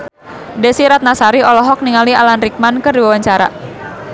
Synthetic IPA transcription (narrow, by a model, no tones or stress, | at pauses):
dɛsiɾat̪̚nasaɾiɔlɔɦɔk̚niŋalia̰lanrik̚mankərdiwawaɲt͡ʃaɾa̰